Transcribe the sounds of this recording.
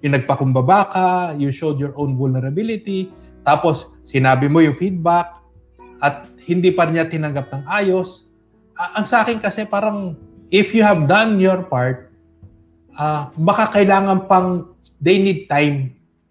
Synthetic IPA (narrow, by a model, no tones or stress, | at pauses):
jʊnɐɡ̚pɐkʊmbɐbaːkɐjuʃowd̪jɔɹʔownvʊlnɛɾɐbilɪt̪i | t̪aːposːɪnaːbɪmojʊŋfid̪̚bak̚ | ʔɐt̪̚hɪnd̪ipɐɾɪɲat̪ɪnɐŋɡɐp̚nɐŋʔaːjo̞s | ʔaʔɐŋsɐʔaːkɪnkɐsɛpaːɾɐŋ | ʔɪfjuhɐvd̪ɐnjɔɹpaɹt̪̚ | ʔabɐkakɐɪlaːŋɐnpɐŋ | d̪ejnid̪̚t̪ajm